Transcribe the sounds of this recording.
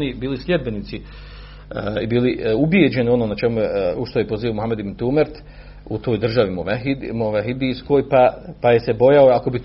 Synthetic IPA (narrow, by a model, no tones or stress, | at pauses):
nibiːlisʎʲed̪̚be̞nit̪si | ibiːliubjed͡ʑe̞nio̞noːnat͡ʃemujeuʃt̪ojepoziːomuhamed̪ibnt̪uːmeɾt̪ | ut̪o̞ːjd̪r̩ʒaʋimumuʋaɦid̪iːsko̞ːjpapaje̞se̞bo̞jaoako̞bi